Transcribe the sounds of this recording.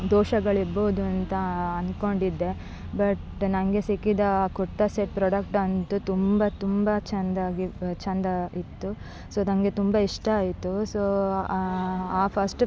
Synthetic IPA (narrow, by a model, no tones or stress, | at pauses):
d̪oːʃɐɡɐɭiɾboːd̪uɐnt̪ɐːnko̞ɳɖid̪ːe̞ | bɐʈnɐŋɡe̞sikːid̪ɐkoʈ̪ːɐseʈ̚pɾoːɽɐk̚ʈɐnt̪ut̪umbɐt̪umbɐt͡ʃɐnd̪aːɡit͡ʃɐnd̪ɐit̪ːu | soːnɐŋɡe̞t̪umbɐiʂʈɐaːjit̪ːusoː | aːpʰɐɾsʈ